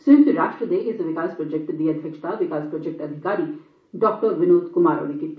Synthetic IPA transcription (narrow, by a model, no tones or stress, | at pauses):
sɪ̃nkɾaːʃʈɾəd̪eʔɪsʋɪkaːspɾɔd͡ʒɛk̚ʈd̪iːɐd̪ʱjəkʃt̪aʋɪkaːspɾɔd͡ʒɛk̚ʈɐd̪ʱɪkaːɾi | ɖɔːk̚ʈəɾʋɪnoːd̪kʊmaːɾo̰ːɽikit̪ː